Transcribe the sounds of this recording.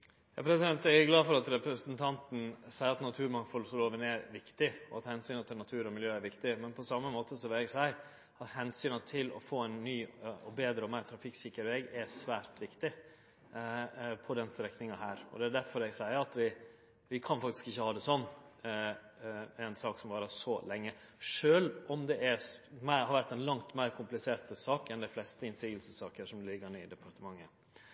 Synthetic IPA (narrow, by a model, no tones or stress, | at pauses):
jɑːpʰɾɛsɪd̪ɛnt̪ɛɡæɡlɑːfɔɾɑt̪ɾɛpɾəsənt̪ʰɑnt̪n̩sæɪəɾɑt̪nɑt̪ʰʉːɾmɑŋfɔlsɔloːʋənɛɾʋɪkt̪ɪɔɑt̪hɛnsyːnət̪ʰɪlnɑt̪ʰʉːɾɔmɪljøːæɾʋɪkt̪ɪmɛnpʰɔsɑmːəmoːt̪ʰəsɔʋɪlɛɡsæɪ | ɑt̪hɛnsyːnət̪ʰɪlɔ̰foːɛɪnːyːɔbeːd̪ɾəɔmæɪt̪ʰɾɑfɪksɪkːəɾʋɛɡɛsʋæːɾt̪ʋɪkt̪ɪ | pʰɔd̪ɛnst̪ɾɛknɪŋɑɦæːɾɔ̰d̪ɛæɖ̪æɾfɔɾɛɡsæɪəɾɑt̪ʋɪ | ʋɪkʰɑnfɑkt̪ɪ̥skɪçːəhɑːd̪ɛsɔnː | ɛɪnsɑːksɔmʋɑːɾəʂɔlɛŋːə | ʂøːlɔmd̪ɛʔæmæɪhɑɾʋæɾʈ̪ːɛnlɑŋt̪mæɪɾkʰʊmplɪseːɾt̪sɑːkɛnd̪æɪflɛst̪əɪnsiːɡəlsəsːɑːkəʂɔmlɪɡːəɳɛɪd̪ɛpʰɑɾt̪əmɑŋːə